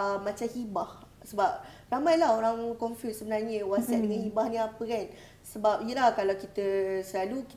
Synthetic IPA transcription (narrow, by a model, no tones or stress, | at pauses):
mãt͡ʃamhibah | səbap̚ramãjlaɦoɾaŋkɔnfjussəbənarɲə̃wasatdəŋãnhibahnĩapəkan | səbap̚ijəlahkalawkit̪əsəlaluki